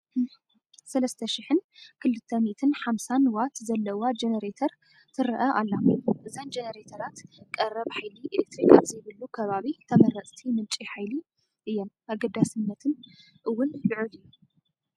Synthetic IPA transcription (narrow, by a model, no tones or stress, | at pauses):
sɐlɐst̪ʰɐʃɪħɨnkʰɨlːɨt̪ʰːɐmiʔt̪ʰɨnħamsanwat̪zɐlːɐwad͡ʒenɐɾet̪ʰɐɾ | t̪ʰɨɾɐʔɐʔalːamʔɨzand͡ʒenɐɾet̪ʰɐɾat̪kʼɐrɐβħajliʔelek̚t̪ɾikaβzɐjβɨlːukʰɐβaβit̪ʰɐmɐɾɐt͡sʼt̪ʰimɨt͡ʃʼiħajli | ʔɨjːɛmʔaɡɐd̪asɨnːɐt̪ʰɨn | ʔɨwːʊnlɨʕɨlɨjːu